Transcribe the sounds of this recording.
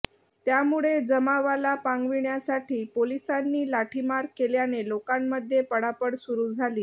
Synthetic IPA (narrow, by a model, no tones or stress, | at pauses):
t̪jamuɭed͡zəmaʋalapãŋɡʋiɳjasaʈʰiːpolisanːiːlaʈʰimaɾkeljanelokamːəd̪ʱːjepəɽapəɽsuɾuːd͡zʱaliː